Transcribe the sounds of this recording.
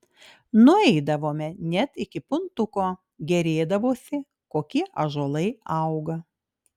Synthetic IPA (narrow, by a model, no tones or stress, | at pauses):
nʊɛɪd̪ɐʋoːmʲɛnʲɛt̪ɪkʲɪpʊnt̪ʊkoː | ɡʲɛɾʲeːd̪ɐʋoːsʲɪ | koːkʲiɛʔɐʒoːlˠɐɪɐʊɡɐ